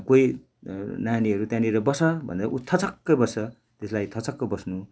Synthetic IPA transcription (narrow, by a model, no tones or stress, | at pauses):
koi | naniʌɾut̪jãniɾʌbʌsʌbʱʌ̰nd̪aʔut̪ʰʌt͡sʌkːʌbʌsʌ | t̪eslajt̪ʰʌt͡sʌkːʌbʌsnu